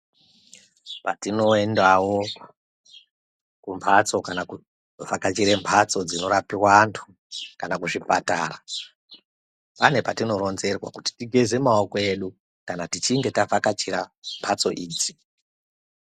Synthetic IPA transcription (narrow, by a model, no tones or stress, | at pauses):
patino̞endawo̞ | kumpʰat͡so̞kanau | vakat͡ʃiɾe̞mpʰat͡so̞d͡zino̞ɾapirwaːntʰu̥ | kanakuʐipata̰ːra | pane̞patino̞ɾo̞nze̞rwa̰kuti̥tiɡʱe̞ze̞maokoe̞ɗu | kanatit͡ʃiŋɡe̞tavakat͡ʃiɾampʰat͡so̞ʔiːd͡zi